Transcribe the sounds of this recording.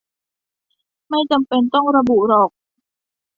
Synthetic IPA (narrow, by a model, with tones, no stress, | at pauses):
ma˥˩jt͡ɕa˧mpe˧nt̪ɔ˥˩ŋɾa˧bu˨˩ɾɔː˨˩k̚